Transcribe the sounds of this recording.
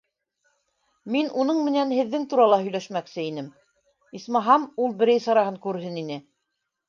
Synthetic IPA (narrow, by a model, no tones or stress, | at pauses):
minunɤɴmɘ̆nænhɘ̆ðːɘŋt̪uɾɑlˠɑhɵ̆jlæʃmæksɘin̪ɘm | ismɑɦɑmulˠbɘ̆ɾæjsɑ̆ɾɑɦɤŋkʉɾɦɘninɘ